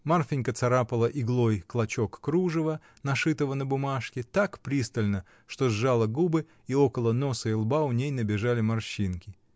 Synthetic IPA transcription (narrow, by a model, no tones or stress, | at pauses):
marfʲɪnʲkət̪sɐɾapəlˠəʔɪɡlˠo̞jklˠɐt͡ɕo̞kːɾuʐɨvə | nɐʂɨt̪əvənəbʊmaʂkʲɪt̪akpɾʲist̪əlʲnə | ʂt̪o̞zːalˠəɡubɨ | io̞kəlˠəno̞səɪlˠbaʊnʲejnəbʲɪʐalʲɪmɐrɕinkʲɪ